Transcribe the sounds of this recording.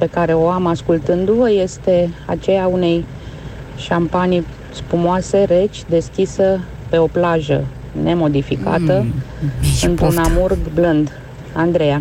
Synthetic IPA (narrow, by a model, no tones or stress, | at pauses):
pe̞kaɾe̞o̞amaskult̪ɨnd̪uvəje̞st̪e̞a̰t͡ʃe̞jaune̞j | ʃampanij | spumoase̞ɾe̞t͡ʃʲd̪e̞skʲisə | pe̞o̞plaʒə̰ | ne̞mo̞d̪ifika̰t̪ə | ɨnt̪ɾunamurɡblɨnd̪ | and̪ɾe̞ja